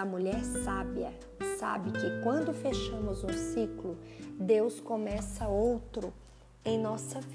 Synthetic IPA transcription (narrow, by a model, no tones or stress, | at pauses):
ɐmuʎɛɾsabjɐ | sa̰bɪkɪkwɐ̃nd̪ʊfeʃɐ̃mʊzũsiklʊ | d̪ewskomɛsɐowt̪ɾʊ | ẽj̃nɔsɐv